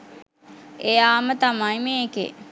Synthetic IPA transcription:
ejaːmət̪amaimekḛ

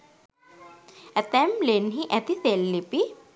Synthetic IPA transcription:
ɛt̪ɛmleːnɦiʔɛt̪iselːipi

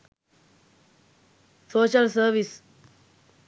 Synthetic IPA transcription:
soːɕəlsəɾʋis

